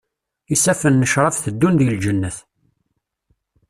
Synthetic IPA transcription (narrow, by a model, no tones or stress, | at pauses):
isæfənːəʃɾˤɑfθəd̪ːunðiəld͡ʒənːəθ